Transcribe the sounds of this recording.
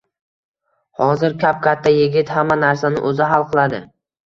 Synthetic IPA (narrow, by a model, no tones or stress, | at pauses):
hɒzɪɾkʲap̚kʲʰat̪ʰːajɪɡʲɪt̪hamːanaɾsanɪ̰ʔɵzɪɦalˠqʰɨlˠad̪ɪ